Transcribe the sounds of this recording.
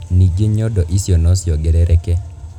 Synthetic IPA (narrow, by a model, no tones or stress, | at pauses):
nid͡ʒeɲɔdɔʔisjonɔsjɔɡɛɾɛɾʔɛkɛ